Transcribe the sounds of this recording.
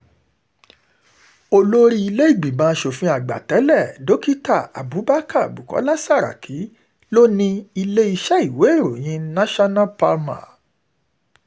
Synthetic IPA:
o˧lo˦ɾi˦i˧le˦i˦˨ɡ͡bi˨bãː˨˦ʃo˨fĩ˧˦a˨ɡ͡ba̰˨tɛ˨˦lɛ˦˨do˨˦ki˦ta˦˨a̰˨bu˨˦ba˦ka˦˨bu˨kɔ̰˨˦la˦sa˦˨ɾa̰˨kʰi˨˦ | lo˦nĩ˧i˧le˦i˧ʃɛ˦i˨we˨˦e˦˨ɾo˨j̃ĩ˨˦nã˦ʃa˦nã˦pa˧mã̰˨

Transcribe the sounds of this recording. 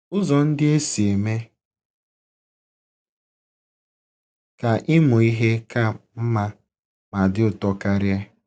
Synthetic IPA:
ʊ˦zɔ˨n̩˦dɪ˦e˦si˨e˨me˦ | ka˨ʔɪ˦mʊ˨i˦ɦe˦ka˦˨m̩˦ma˦ | ma˨dɪ˦ʊ˨tɔ˦ka˦ɾja˦

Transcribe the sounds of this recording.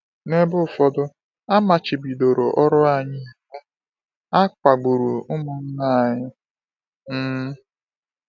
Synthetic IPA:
ne˦bʊ˦˨fɔ˦dʊ˦ | a˦ma˨t͡ʃɪ˨bi˨do˨ɾo˨ʔɔ˦ɾʊ˦a˨ɲɪ˦˨he˦ | a˦kʷa˨ɡ͡bu˨ɾu˨ʊ˦mʊ˨n̩˦na˦a˨ɲɪ˦ | m̩˦

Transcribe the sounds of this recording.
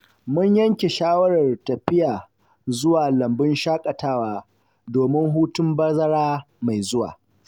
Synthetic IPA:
mʊ˦ɲjɐ˦ŋkʲe˨ʃaː˦wɐ˦ɽɐ˨rtɐ˨ɸɪ˦jaː˨ | zʊ˦waː˨lɐ˨mbɪ˦nʃaː˦kʼɐ˨taː˦waː˦ | doː˨mɪ˦ŋɦuː˦tʊ˦mbɐ˦zɐ˦ɽaː˦ | ma˨jzʊ˦wa̰ː˨

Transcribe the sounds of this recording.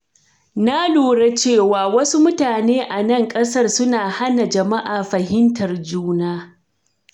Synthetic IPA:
na˦loː˨ɽe˦t͡ʃeː˦˨waː˨wɐ˦su˦mʊ˦taː˨neː˦ʔa˨nɐ˦˨ŋkʼɐ˦sɐ˦rsʊ˦naː˨ha˦na˨d͡ʒɐ˨ma˦ʔaː˨ɸɐ˨ɦɪ˦ntʰɐ˨rd͡ʒuː˦naː˦

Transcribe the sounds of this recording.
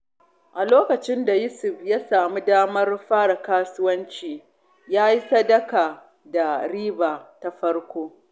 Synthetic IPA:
ʔa˨loː˦kɐ˨t͡ʃɪ˦nda˨jʊ˦sʊ˨ɸjaː˦saː˨mi˦daː˦mɐ˦rɸaː˦ɽa˨kaː˦sʊ˦wɐ˦nt͡ʃiː˨ | jaː˦ji˦sɐ˦dɐ˦kaː˨ | da˨ɽiː˦baː˨ta˦ɸɐ˦rkʷoː˦

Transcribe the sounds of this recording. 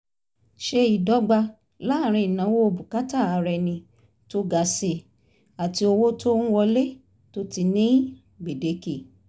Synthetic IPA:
ʃe˧i˨dɔ˨˦ɡ͡ba˧ | la˨˦˨ɾ̃ĩ˧i˨nã˨˦wo˦o˧bu˨ka˦ta˦˨a˨˧ɾɛ˧nĩ˧ | to˦ɡa˧se˧ | a˨ti˧o˧wo˦to˦ñ̩˦wɔ˧le˦ | to˦ti˧nĩ˦ | ɡ͡be˨de˨˦ki˦˨

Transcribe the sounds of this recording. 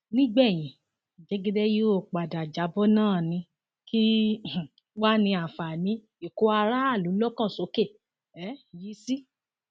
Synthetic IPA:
nĩ˦ɡ͡bɛ˦˨j̃ĩ˨ | d͡ʒe˨˧˦ɡe˦de˦ji˦o˦˨k͡pa˨da˨d͡ʒa˨˦bɔ˦nãː˦˨nĩ˧ | kʰi˦˨ | wa˦nĩ˧a˨fa˨nĩ˨˦ | e˨ko˨˧˦a˧ɾa˦a˦˨lu˨˦lɔ˦kã˦˨so˨˦ke˦˨ | ɛ˨˦ji˨˧˦si˦

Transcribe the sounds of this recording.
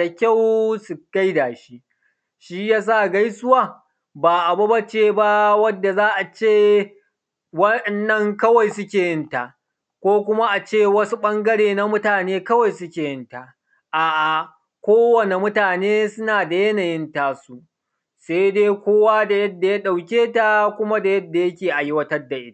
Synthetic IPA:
a˨kʲa˦˨wsu˨ka˦jdaː˨ʃi˦ʔ | ʃi˦jaː˦s̬a˦˨ɡa˦jsʊ˦waː˦˨ | baː˨ʔa˨bɐ˦bɐ˦t͡ʃeː˦ba˦wɐ˦dːa˨zaː˦ʔa˨t͡ʃeː˦˨ | wɐ˦˨nːɐ˦ŋkɐ˦wa˨jsʊ˦kʲeː˨jɪ˦nta˨ʔ | kʷoː˦kʷʊ˦ma˦ʔa˨t͡ʃeː˦˨wɐ˦su˦ɓɐ˦ŋɡɐ˦ɽeː˨na˦mʊ˦taː˨neː˦kɐ˦wa˨jsʊ˦kʲeː˨jɪ˦nta˨ | ʔaː˨ʔa˨ | kʷoː˦wɐ˨ne˨mʊ˦taː˨neː˦sʊ˦naː˨da˨jɐ˦na˨jɪ˦ntaː˦su˦ | sa˦jdeː˦kʷoː˦waː˦da˨jɐ˦dːa˨ja˦ɗa˨wkʲeː˦ta˦kʷʊ˦ma˦da˨jɐ˦dːa˨jɐ˦kʲeː˨ʔa˨jɪ˦wɐ˦tɐ˦rdːa˨ʔɪ˦ta˨

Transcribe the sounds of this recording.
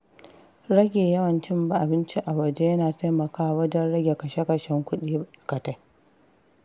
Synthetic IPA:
ɾɐ˦ɡʲeː˨jɐ˦wɐ˨nt͡ʃɪ˦mba˨ʔa˨bɪ˦nt͡ʃi˦ʔa˨wɐ˨d͡ʒe˦jɐ˦naː˨ta˦jmɐ˨kaː˦wɐ˦d͡ʒɐ˦nɽɐ˦ɡʲe˨kɐ˨ʃe˦kɐ˨ʃɛ˦ŋkʷʊ˦ɗiː˦˨kɐ˨ta˦

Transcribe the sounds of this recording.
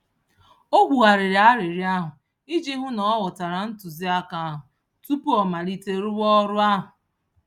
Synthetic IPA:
o˦ɡʷu˨ɣa˨ɾɪ˨ɾa˦ɾɪ˨ɾja˦ɦʊ˨ | i˦d͡ʒe˦ɦʊ˦nɔ˨˦wʊ˨ta˨ɾa˨n̩˦tu˨zi˦a˦ka˦a˦ɦʊ˨ | tu˦pu˦ɔ˨ma˨ɾi˦te˦ɾʊ˦wɔ˦ɾʊ˦a˦ɦʊ˨

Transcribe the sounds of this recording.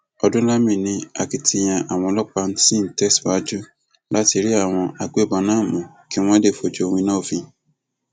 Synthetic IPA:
ɔ˧dũ˦la˦mĩ˦˨nĩ˧a˨ki˧tʰi˧j̃ã˧ʔa˨w̃ɔ̃˧lɔ˦k͡pa˧n̩˦ti˦n̩˨tɛ˦sba˨˦d͡ʒu˦ | la˦ti˧ɾi˦a˦˨w̃ɔ̃˧ʔa˧ɡ͡be˦˨ba˧nãː˦˨mũ˨ | ki˨˦w̃ɔ̃˦de˦˨fo˨d͡ʒo˧o˧w̃ĩ˧nã˦˨fĩ˧

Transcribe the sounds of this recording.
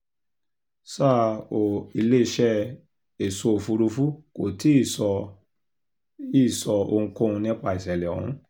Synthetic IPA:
sa˦˨o˨i˧˨le˦i˧ʃɛ˦ | e˨so˧o˨fu˧ɾu˧fu˦ko˨ti˨˦i˦˨sɔ˧ | i˦˨sɔ˧o˧ŋ̩̃˧kɔ̃˦ũ˧nĩ˦k͡pa˧˨i˨sɛ˨lɛ˨ɔ̰˨ṵ̃˨˦

